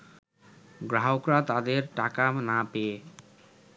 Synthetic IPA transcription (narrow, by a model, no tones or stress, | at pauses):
ɡɾawkɾat̪ad̪eɾʈakamnape